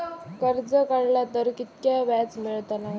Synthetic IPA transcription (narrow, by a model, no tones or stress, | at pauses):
kəɾd͡zəkaɽlat̪əɾkit̪kjaʋat͡smeɭt̪anaɦ